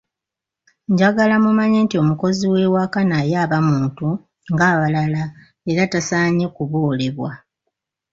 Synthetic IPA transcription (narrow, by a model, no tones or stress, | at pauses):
ɲɟaɡalamumaɲe̞ːntio̞muko̞ziwe̞wakanajaːβamuːntu | ŋɡaːβalala | eɾatasaːɲe̞kuβoːle̞βwa